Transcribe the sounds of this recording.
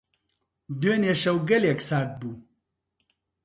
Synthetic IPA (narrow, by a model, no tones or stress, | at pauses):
d̪eneʂɐwɡɐleksaːk̚bu